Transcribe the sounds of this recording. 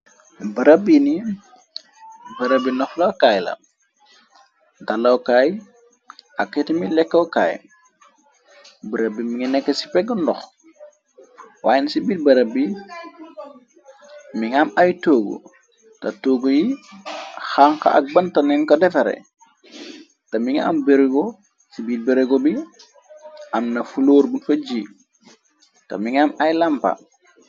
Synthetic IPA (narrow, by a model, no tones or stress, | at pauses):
bɐɾəbini | bɐɾəbinɔxlokajlɐ̰ | dalokaj | akːetimilɛkːoka̰ːj | bəɾəbimiŋinɛkːəsi̥pɛɡəndɔx | waːjnisibit̚bɐɾəbi | miŋamajtoːɡo̰ | tatoːɡoji | xaŋka̰ʔa̰k̚bantanɛnkodɛfɐɾḛ | tamiŋaa̰mbeɾiɡo | sibiːt̚beɾeɡobi | ʔamnɐfuloːɾbunfɐd͡ʒi | ta̰miŋamajlampa̰